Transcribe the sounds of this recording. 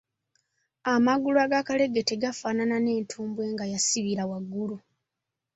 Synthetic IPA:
amaɡulaɡakale̞ɡeteɡafaːnanane̞ːntʰuːmbwe̞ːŋɡajasiβiɾawaɡːulu

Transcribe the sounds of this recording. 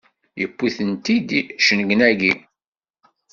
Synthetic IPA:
jəpːiθənt̪id̪ʃənɡənæɡi

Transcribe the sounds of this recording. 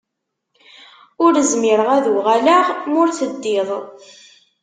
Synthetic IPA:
ʊɾəzmɪɾəʁæðʁælaʁmʊɾθəd̪ːɪðˤ

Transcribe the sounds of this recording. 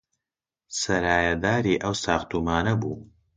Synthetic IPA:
sɐɾaːjɐd̪aːɾiːʔɐwsaːxt̪umaːnɐbuː

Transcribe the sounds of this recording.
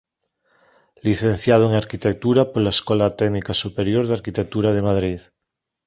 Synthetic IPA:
liθenθjað̞oeŋaɾkit̪ek̚t̪uɾapoɾlaeskolat̪ɛɡnikasupeɾjo̞ɾð̞eaɾkit̪ek̚t̪uɾað̞emaðɾið

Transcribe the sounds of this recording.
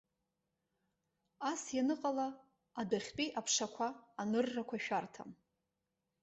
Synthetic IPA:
asjanɨqʼalaː | daχʲpʼiʔapʰʂakʷʰaːnɨrːakʷʰaʃᶣartʰa̰m

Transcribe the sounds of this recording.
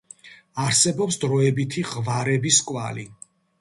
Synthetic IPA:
aɾsɛbɔpsd̪ɾɔɛbit̪ʰiʁvaɾɛbiskʼwa̰li

